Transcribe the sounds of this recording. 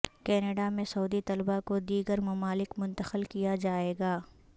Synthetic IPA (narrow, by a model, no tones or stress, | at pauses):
kɛːnəɖamẽsɐuːd̪it̪ɐlbakod̪iːɡəɾmɐmaːlɪkmʊ̃nt̪əxəlkijad͡ʒaːeːɡaː